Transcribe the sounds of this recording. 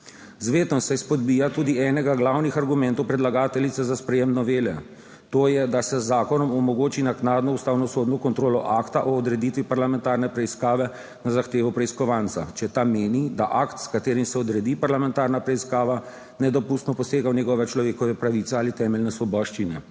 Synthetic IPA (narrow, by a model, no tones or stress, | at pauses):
zʋeːt̪nɔsɛspɔd̪bijat̪uːd̪iɛnɛɡaɡlawnixaɾɡumɛ̃nt̪ɔwpɾɛd̪laɡaːt̪ɛlit̪sɛzaspɾɛjeːmnɔʋeːlɛ | t̪oːjɛd̪asɛzːaːkɔnɔmɔmɔɡoːt͡ʃinaknaːd̪nɔust̪aːwnɔsoːd̪nɔkɔnt̪ɾoːlɔʔakt̪aʔɔːd̪ɾɛd̪it̪ʋipaɾlamɛ̃nt̪aːɾnɛpɾɛiskaːʋɛ | nazaxt̪eːʋɔpɾɛiskɔʋant̪sa̰t͡ʃɛt̪ameːnid̪aʔakt̪skat̪eːɾimsɛɔd̪ɾɛd̪ipaɾlamɛ̃nt̪aːɾnapɾɛiskaːʋa | nɛd̪ɔpust̪nɔpɔseːɡawnjɛɡɔʋɛt͡ʃlɔʋeːkɔʋɛpɾaʋit̪sɛaːlit̪ɛːmɛlnɛsʋɔbɔːʃt͡ʃinɛ